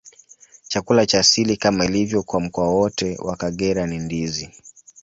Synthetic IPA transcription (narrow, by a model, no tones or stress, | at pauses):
t͡ʃakulat͡ʃaːsilikamailivjɔkwam̩kɔawɔtɛwakaɠɛɾanindizi